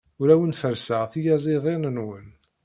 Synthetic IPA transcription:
ʊɾæwənfəɾsəʁθijæzˤiðˤenənwən

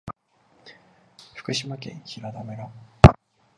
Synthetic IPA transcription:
ɸɯ̟̥kɯ̟ɕimakẽ̞̰ɰ̃çiɾad̪ameɾa

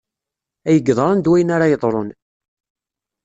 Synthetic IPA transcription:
æjəɡːðˤɾˤɑnd̪wæjənaɾajəðˤɾˤon

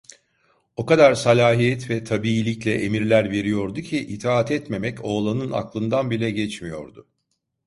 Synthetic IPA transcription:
o̞kad̪aɾsalʲaːɦijɛt̪vɛt̪ʰabiːlʲiclʲɛʔemiɾlʲæɾve̞ɾijo̞ɾd̪ucʰiʔit̪ʰaːat̪ʰɛt̪me̞mɛco̞ːlˠanɯna̰klˠɯnd̪anbilʲɛɟɛt͡ʃmijo̞̰ɾd̪ʊ

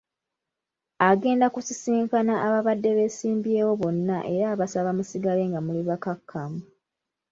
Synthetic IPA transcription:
aɡe̞ːndakusisiːŋkanaʔːβaβadːe̞βe̞siːmbje̞ːwo̞βo̞nːaʔe̞ɾaːβasaβamusiɡale̞ŋɡamuliβakakʰːamu

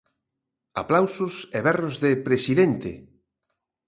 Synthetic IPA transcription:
a̰plawsʊseβɛrozðepɾesiðent̪ɪ̰

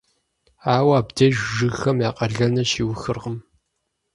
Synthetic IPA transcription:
aːwaːbdɐʒʷʒɨxɐmjaːqɐɮɐnɐʃiːwʊxɨrʁəm

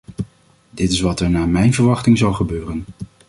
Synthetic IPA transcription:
dɪtɪsʋɑtɛɹnaːmɛjnvəɹʋɑχtɪŋzɑlˠχəbøːrən

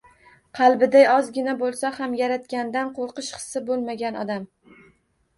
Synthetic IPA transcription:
qʰɑlˠbɪd̪ajɒzɡʲɪnabolˠsahamjaɾat̪̚kʲand̪anqʰoɾqɨʃχɨ̥sːɪbolˠmaɡʲanɒ̰d̪am

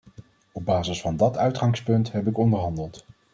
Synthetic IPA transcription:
ɔb̚baːzəsfɑndɑtœɥtχɑŋspɵntɦɛpɪkɔndəɹɦɑndəlˠt

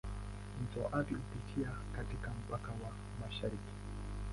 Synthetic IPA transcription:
n̩t͡soʔapiupit͡ʃiakat̪ikam̩pakawa | maʃaɾiki̥

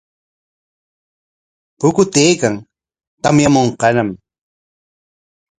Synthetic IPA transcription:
pʊkʊt̪eːkaŋ | t̪amjamoɴqɑnam

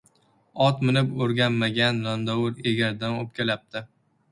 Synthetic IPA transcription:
ɒt̪mɪnɪpoɾɡʲanmaɡʲanlɒnd̪awʊɾeɡʲaɾd̪anop̚kʲʰelap̚t̪ʰɪ

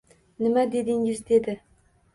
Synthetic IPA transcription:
nɪmad̪e̞d̪ɪŋɪzd̪e̞d̪ɪ

